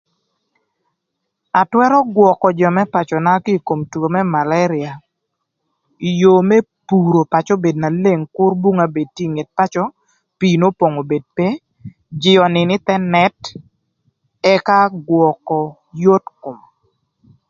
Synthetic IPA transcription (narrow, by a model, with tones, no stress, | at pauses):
a˨twɛ˦ɾɔ˦ɡwɔ˨kɔ˨d͡ʒɔ˨mɛ˦pa˨t͡ʃɔ˨na˦ki˦˨ko˨mtu˨ɡo˨mɛ˦ma˨la˦ɾɪ˨a˨ | i˨jo˨me˦ | pu˨ɾo˨pa˨t͡ʃɔ˦be˨dna˨le˦˨ŋkʊ˦rbu˦ŋa˦be˨d̚tːji˦˨ŋe˨t̚pa˦t͡ʃɔ˦ | piː˨no˦po˨ŋo˨be˨d̚pe˦ | d͡ʒɪ˨ɔ˨nɪ˨nɪ˦t̪ɛ˦nɛ˦t | ɛ˦ka˦ɡwɔ˨kɔ˨ | jo˦tkʊ˨m